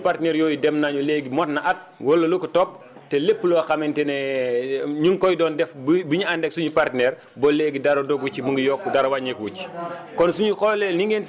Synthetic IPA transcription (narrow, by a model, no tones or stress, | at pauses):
partnɛɾjɔːjidɛmnaɲɔleɡimɔtnaʔat̚wɔlːɐlukətɔp̚ | tɛlepːəlɔaxamɛntɛnɛ | ɲuŋkɔjdɔːndɛfbbiɲuandɛksuɲupartnɛɾ | bɔleːɡidaɾodɔɡwucːiməŋɡəjɔkːudaɾɐwaɲɛkwut͡ʃi̥kɔnsuɲuxɔlɛniŋɡen